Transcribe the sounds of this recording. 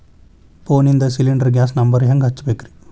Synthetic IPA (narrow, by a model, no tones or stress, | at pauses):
poːnind̪ɐsiliɳɖɐɾɡjaːs̬nɐmbɐɾɦɐŋɡɦɐt͡ʃːbeːkɾi̥